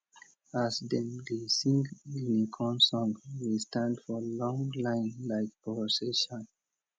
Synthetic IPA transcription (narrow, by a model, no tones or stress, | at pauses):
asdɛ̃mdisĩŋɡinikʰɔ̃nsɔ̃ŋwistʰãndfɔlɔ̃ŋlãɪ̃nlaɪkpʰɔəseʃɔ̃n